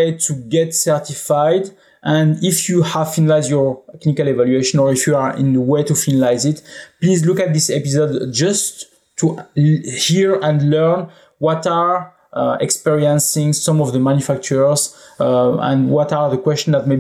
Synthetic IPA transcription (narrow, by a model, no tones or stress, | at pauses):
etʰuɡɛtsɛɹtifajd | ʔɛ̃ndifjuhav̥finalajzdjɔɹtɛknikalevalɥeʃɔ̃nɔɹifjuaɹḭ̃nðəwetufinalajzɪtplizlukat̪̚ðisɛpizɔdd͡ʒʌsʰ | u | hiɹɛ̃ndlɜ˞n | wɔtaɹ | ɛkspɛɹiə̃nsĩŋsɔ̃mɔvðəmãnjufak̚t͡ʃəɹz | ɛ̰̃nwɔtaɹðəkwɛst͡ʃɔ̃nðat̚me